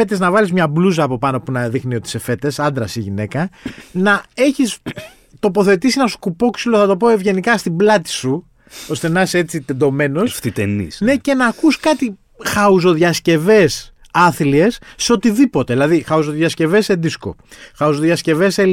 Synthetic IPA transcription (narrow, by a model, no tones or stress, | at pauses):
e̞t̪e̞znɐvɐlizmɲɐbluzɐːpo̞pɐno̞punɐðixnio̞t̪i̥se̞fe̞t̪e̞sɐnd̪ɾɐsiʝine̞kɐnɐe̞çis | t̪o̞po̞θe̞t̪isinɐsu̥kupo̞ksiloθɐt̪opo̞evʝe̞nikɐst̪iblɐt̪i̥su | o̞st̪e̞nɐse̞t͡sit̪end̪o̞me̞no̞sft̪it̪enḭsne̞ce̞nɐːkuskɐt̪i | xɐuzo̞ðʝɐsce̞ve̞s | ɐθlie̞sːeo̞t̪iðipo̞t̪eðilɐðixɐuzoðʝɐsce̞ve̞send̪isko̞̰xɐuzoðjɐsce̞ve̞se